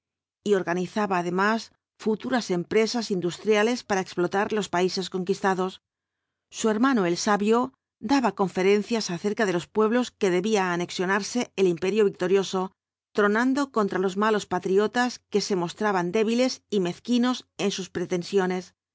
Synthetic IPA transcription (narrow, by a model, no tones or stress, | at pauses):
io̞ɾɣaniθaβaːðe̞mas | fut̪uɾase̞mpɾe̞sasind̪ust̪ɾjale̞spaɾaeksplo̞t̪aɾlo̞spaise̞sko̞ŋkist̪aðo̞sː | ue̞ɾmanoe̞lsaβjo̞ | d̪aβako̞ɱfe̞ɾe̞n̟θjasaθe̞ɾkaðe̞lo̞spwe̞β̞lo̞ske̞ðe̞βiaːne̞ksjo̞naɾse̞ːlimpe̞ɾjoβik̚t̪o̞ɾjo̞so̞ | t̪ɾo̞nãnd̪o̞ko̞nt̪ɾalo̞zmalo̞spat̪ɾio̞t̪aske̞se̞mo̞st̪ɾaβand̪e̞βile̞sime̞θkino̞se̞nsuspɾe̞t̪e̞nsjo̞ne̞s